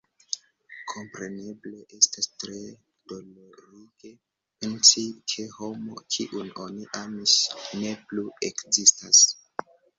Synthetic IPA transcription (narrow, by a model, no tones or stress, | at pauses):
kʰo̞mpɾe̞ne̞ble̞ʔestastɾe̞ | d̥oloɾike̞ | pensikʰe̞ho̞mo̞̰kʰiʔuno̞niʔamisne̞pluekzistas